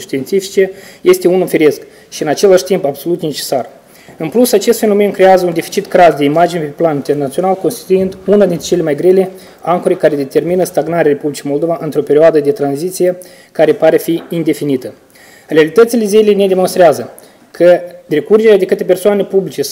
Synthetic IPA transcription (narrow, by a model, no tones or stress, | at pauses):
ʃt̪ient̪sifi̥t͡ʃe̞je̞st̪e̞unufiɾe̞sk | ʃiɨnat͡ʃe̞laʃt̪impabso̞lut̪ne̞t͡ʃe̞̥sar | ɨnplusat͡ʃe̞st̪fe̞no̞me̞nkɾe̞azəund̪efi̥t͡ʃit̪kɾazd̪e̞imad͡ʒinepe̞planint̪e̞rnat̪sio̞nalko̞nst̪i̥t̪uind̪unad̪int̪ɾet͡ʃe̞lemajɡɾe̞le̞ | aŋkoɾekaɾe̞d̪e̞t̪e̞rminəst̪aɡnaɾeaɾe̞publʲit͡ʃijmold̪o̞vaʔɨnt̪ɾo̞pe̞ɾioad̪əd̪e̞t̪ɾanzit̪sije̞ | kaɾe̞paɾefiind̪e̞finit̪ə | rʲealit̪ət̪sile̞zelejne̞d̪e̞monst̪ɾeazə | kʰəd̪ɾe̞kurd͡ʒe̞ɾead̪e̞kɨt̪epe̞rsoanepublit͡ʃe̞